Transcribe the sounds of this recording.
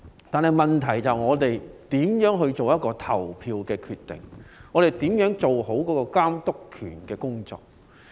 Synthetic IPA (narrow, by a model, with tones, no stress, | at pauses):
t̪aː˨nhɐ˨jmɐ˨˩nt̪ʰɐ˨˩jt͡sɐ˨wŋɔː˨˧t̪e˨jt̪iː˨˥mjœː˨˥ŋɦɵ˧ɥt͡ʃo˨wjɐ˥t̚kɔː˧t̪ʰɐ˨˩wpʰiː˧wkɛː˧kʰyː˧t̪ːɪ̰˨˩ŋŋɔː˨˧t̪e˨˩jt̪iː˨˥mjœː˨˥ŋt͡so˨wɦo˨˥wkɔː˨˥kɔː˧kaː˥mt̪ʊ˥kʰyː˨˩nkɛː˧kʊ˥ŋt͡ʃɔ̰ː˨˧k̚